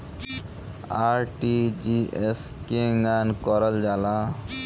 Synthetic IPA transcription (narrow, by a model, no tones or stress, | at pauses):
aɾʈid͡ʒieskeŋɡankɔɾəld͡ʒala